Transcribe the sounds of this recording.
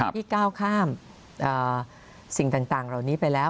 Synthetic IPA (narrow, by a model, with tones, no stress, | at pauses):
iː˥˩kaː˥˩wkʰaː˥˩m | ʔɤː˨˩ | si˨˩ŋt̪aː˨˩ŋt̪aː˨˩ŋɾa˧˩wniː˦˥pa˧jlɛː˦˥w